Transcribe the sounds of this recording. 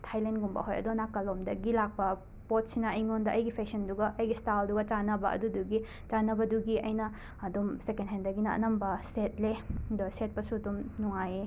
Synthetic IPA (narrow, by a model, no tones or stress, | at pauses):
tʰajlenɡumbɐ̰ɦojɐ̰donakːɐlomdɐɡilak̚pɐ | pot̚sinɐɐjŋondɐʔɐjɡipʰeksɐnduɡɐʔɐjɡistalduɡɐt͡ʃanɐbɐʔɐ̰duduɡi | t͡ʃanɐbɐduɡiɐjnɐː | dumsekendɦendɐɡinɐɐ̰nɐmbɐset̚ledoset̚pɐsudumnuŋaje